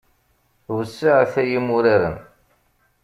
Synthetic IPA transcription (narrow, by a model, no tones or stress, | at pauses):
usːaʕθæjimʊɾaɾə̰n